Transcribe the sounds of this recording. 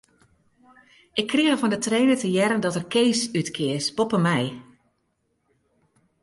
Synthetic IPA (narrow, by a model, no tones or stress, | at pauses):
ʔɪkʰːriɣəvɔndətreːnətəjɛɾəndɔtərkeːsytkʰɪəspopəmɛj